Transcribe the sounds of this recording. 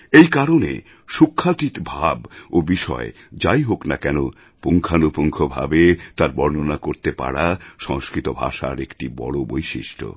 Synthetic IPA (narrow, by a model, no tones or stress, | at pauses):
ejkaɾonḛ | ʃukʰːat̪it̪bʱabobiʃɔ̰e | d͡ʑajɦoknakɛno | puŋkʰanopoŋkʰobʱa̰bet̪aɾbɔɾnonakoɾt̪epa̰ɽaʃɔŋskɾit̪obʱa̰ʃa̰ɾekʈibɔ̰ɽobojʃiʃʈʰo̰